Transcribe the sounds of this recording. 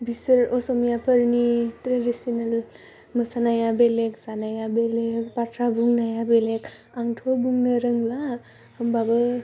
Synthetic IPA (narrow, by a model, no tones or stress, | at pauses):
bisəɾosomjapʰəɾnitɾedisinəl | məsanajabeleksanajabelekpaʈʰɾabuŋnajabelek | aŋʈʰobuŋnəɾəŋla | həmbabə